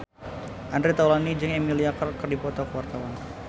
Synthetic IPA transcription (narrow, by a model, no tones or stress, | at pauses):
ʔandɾet̪awlanid͡ʒɨŋɛmiliakərkɨrdipɔt̪ɔkəwart̪awan